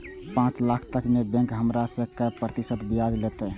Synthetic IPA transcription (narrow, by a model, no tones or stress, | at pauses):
pãt͡ʃlakʰt̪əkmebɛ̃ŋkɦəmɾasə̃kəpɾət̪isət̪biad͡ʒlet̪ə